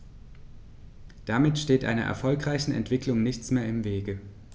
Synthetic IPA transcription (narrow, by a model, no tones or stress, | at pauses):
d̥amɪtʃteːtʔa̰ɪnɐ̰ʔɛ̰ɐfɔlkʁ̥aɪçn̩ɛ̰ntv̥ɪklʊŋnɪçt͡smeːɐɪmveːɡə